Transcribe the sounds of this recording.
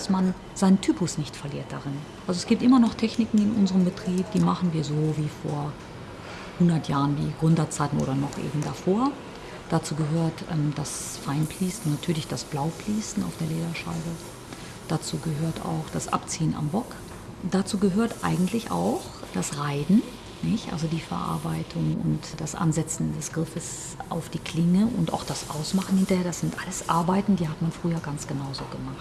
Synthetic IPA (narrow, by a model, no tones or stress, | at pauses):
sman | z̥aɪntʰyːpʊsnɪçtfɛɐliːɐt̚d̥aʁɪn | ʔalzoɛsɡ̥iːp̚tʔɪmɐnɔχtʰɛçnɪkŋ̩ɪnʔʊnzəʁəmbətʁ̥iːp̚d̥iːmaχn̩viːɐzoːviːfoːɐ | hʊndɐtjaːʁənvḭːɡʁʏndɐt͡saɪtn̩ʔo̰ːɾɐnɔχʔḛːbm̩dafoːɐ | d̥at͡suːɡəɦøːɐtʔɛ̰ːmd̥as | faɪnpliːsn̩ːatʰyːɐlɪçd̥asb̥laʊpl̥iːsn̩aʊfd̥eːɐleːdɐʃa̰ɪbə | d̥at͡suːɡəɦøːɐta̰ʊxd̥asʔa̰pt͡siːəna̰mbɔk | d̥at͡suːɡəɦøːɐtʔa̰ɪɡŋ̩tʰlɪçʔa̰ʊxd̥asʁaɪdn̩ | nɪçtʔa̰lzodiːfɛɐʔa̰ɐbaɪtʰʊŋʊ̰ntd̥asʔa̰nzɛt͡sn̩dɛsɡ̥ʁɪfəs | ʔa̰ʊfd̥iːkʰl̥ɪŋəʔʊ̰nta̰ʊxd̥asʔa̰ʊsmaχn̩hɪntɐheːɐdasz̥ɪntʔaləsʔa̰ɐbaɪtn̩diːɦatmanfʁ̥yːɐɡant͡sɡ̥ənaʊzoːɡəmaχtt